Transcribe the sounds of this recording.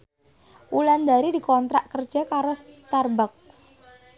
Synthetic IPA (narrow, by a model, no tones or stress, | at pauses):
wuland̪aɾidikɔnt̪ɾa̰ʔkər̥d͡ʒ̥akaɾost̪arbaks